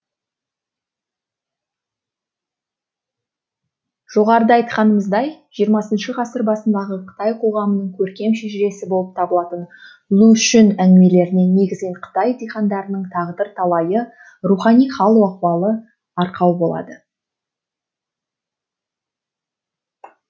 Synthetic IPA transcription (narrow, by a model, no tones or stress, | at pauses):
ʒ̥o̞ʁɑɾəd̪əɑjt̪qɑnəməzd̪ɑjʒ̥ijəɾmɑsənʃəʁɑsəɾbɑsənd̪ɑʁəqʰə̥t̪ɑjqʰo̞ʁɑmənəɴkʲʰɵɾkʲe̞mʃeʒɪɾe̞sɪbo̞lˠəp̚t̪ʰɑbəlˠɑt̪ən | lˠuʃɪnæŋɡɪme̞le̞ɾɪnenne̞ɡʲɪzɡʲeɴqʰə̥t̪ɑjd̪ejχɑnd̪ɑɾənəɴt̪ʰɑʁəd̪əɾt̪ʰɑlˠɑjə | ruχɑnijχɑlˠuwɑqwɑlˠə | ɑɾqɑwbo̞lˠɑ̰d̪ə